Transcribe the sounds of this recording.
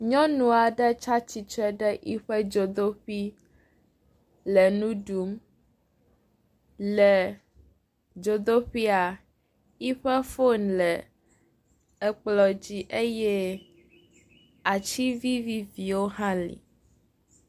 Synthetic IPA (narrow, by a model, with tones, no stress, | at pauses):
ɲɔ̃˦nũ˨a˨ɖɛ˦t͡ʃa˦t͡ɕi˨t͡ʃɛ˦ɖɛ˦ʔi˦ɸɛ˦d͡ʒo˨d̪o˦ɸi˦ | lɛ˨nũ˦ɖu˨˦m | lɛ˨ | d͡ʒo˨d̪o˦ɸi˦a˨ | i˦ɸɛ˦fo˦nlɛ˨ | ɛ˨k͡plɔ˨d͡ʑi˨ʔe˦jɛ˦ | a˨t͡ɕi˦vi˦vi˦vi˨wo˦ɦã˦lḭ˨